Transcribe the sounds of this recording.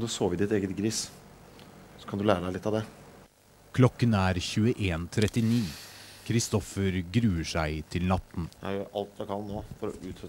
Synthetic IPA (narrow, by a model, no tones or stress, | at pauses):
ɑnd̪ʉsoːʋɪd̪ɪt̪eːɡət̪ɡɾɪs | sɔkʰɑnd̪ʉlæːɾəd̪æɪɪt̪ːɑʋd̪ɛ | kʰlɔkːənæːɾçʉːəʔeːnt̪ʰɾɛt̪ɪniːkʰɾɪst̪ɔfəɾɡɾʉːəʂæɪt̪ʰɪlnɑt̪n̩jæjøɾʔɑlt̪jæɪkʰɑnnːoːfɔɾɔ̰ʉːt̪ɾœ